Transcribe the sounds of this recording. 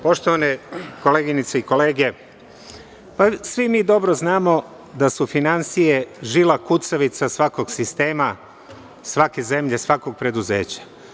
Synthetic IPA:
po̞ʃt̪oʋaneko̞leːɡinit̪seiko̞le̞ːɡe̞ | pasʋimiːd̪o̞bɾoznaːmo̞ | d̪asufinansije̞ʒilakut̪saʋit̪sasʋako̞ɡsist̪e̞ːma | sʋake̞ze̞mʎe̞sʋako̞ɡ̚pɾed̪uze̞̰ːt͡ɕḁ

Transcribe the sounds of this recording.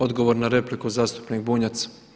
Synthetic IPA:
o̞d̪ɡo̞ʋo̞ɾnaɾe̞plikuzaːst̪u̥pnik̚buːɲat̪sḁ

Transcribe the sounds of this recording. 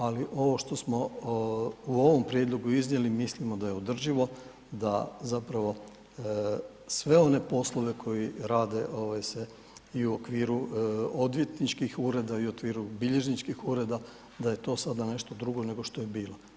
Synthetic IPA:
aliʔo̞ʋo̞ʃt̪o̞smo̞ | uo̞ʋo̞mpɾje̞d̪lˠo̞ɡuiznje̞limislimo̞d̪aje̞o̞d̪r̩ʒiʋo̞ | d̪azapɾaʋo̞ | sʋe̞o̞ne̞po̞slˠo̞ʋe̞kʰo̞jiɾaːd̪e̞ʔo̞ʋajse | iuokʋiːɾuo̞d̪ʋje̞t̪nit͡ʃkixuːɾe̞d̪aiuokʋiːɾubiʎe̞ʒnit͡ʃkixuɾe̞d̪a | d̪aje̞t̪o̞ːsad̪ane̞ʃt̪od̪ɾuɡo̞ne̞ɡo̞ʃt̪ojebiːlo

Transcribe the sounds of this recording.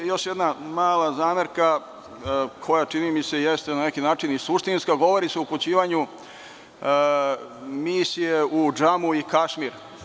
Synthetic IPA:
jo̞ʃjed̪namaːlazaːmeɾka | kʰo̞jat͡ʂinimise̞jest̪enane̞kinaːt͡ʃinisuʃt̪inskaɡo̞ʋo̞ɾiseuput͡ɕiːʋaɲu | miːsijeud͡ʒamuikaʃmiɾ

